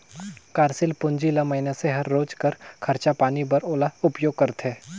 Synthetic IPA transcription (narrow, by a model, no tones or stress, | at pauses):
kaːɾsɪlpʊ̃ɲd͡ʒilamɐɦɪnaseɦɐɾːoːd͡ʒkəɾkʰɐɾt͡ʃapaːnibɐɾoːlaʊpjoːɡ̚kɐɾt̪ʰɦeː